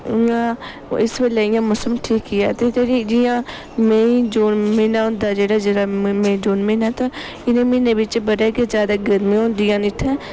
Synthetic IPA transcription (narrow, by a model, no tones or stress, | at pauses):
ɪjãː | ɪsʋeːleːɪjãːmʊsəmʈʰiːkiɛ̰ːt̪eːt̪eːɾiːd͡ʒɪjãː | mẽːid͡ʒoːnmeːnaːɦʊ̃ːnd̪aːd͡ʒeːɽaːd͡ʒeːɽaːmẽːd͡ʒoːnmẽːnaːt̪ãː | ɪnẽːmɪneːbɪt͡ʃbəɽeːked͡ʒjaːd̪aːɡəɾmĩːɦõːnd̪ijãːnɪt̪ʰːɛ̃ː